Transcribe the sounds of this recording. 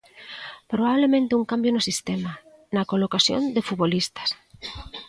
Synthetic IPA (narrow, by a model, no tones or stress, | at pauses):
pɾoβaβlemẽnt̪ɪuŋkambjonosist̪ema | nɐkolokasjo̰nd̪ɪfuβolist̪ɐ̥s